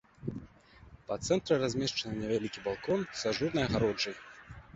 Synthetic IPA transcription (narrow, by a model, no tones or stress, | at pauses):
pɐt̪sɛnt̪ɾɨrazʲmʲɛʂt͡ʂɐnɨnʲɛvʲalʲikʲibalˠkɔnsaʐɨrnɐjɐɣaɾɔd͡ʐɐj